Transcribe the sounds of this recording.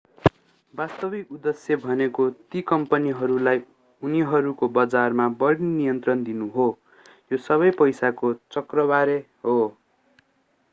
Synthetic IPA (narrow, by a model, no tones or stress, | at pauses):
bast̪ʌbikud̪esjʌbʱʌnekot̪ikʌmpʌniɦʌɾulaj | uniɦʌɾukobʌd͡zarmabʌɽninijʌnt̪rʌnd̪inuɦo | josʌβʌjpʌjsakot͡sʌkrʌbaɾe | ɦo